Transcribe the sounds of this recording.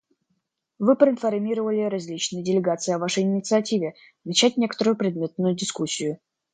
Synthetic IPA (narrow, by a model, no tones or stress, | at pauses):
vɨpɾəɪnfɐrmʲiɾəvəlʲɪɾɐzʲlʲit͡ɕnɨjədʲɪlʲɪɡat̪sɨɪɐvaʂəjɪnʲɪt̪sɨɐtʲivʲɪ | nɐt͡ɕætʲnʲe̞kə̥t̪əɾʊjʊpɾʲɪd̪mʲe̞t̪̚nʊjʊdʲɪskusʲːɪjʊ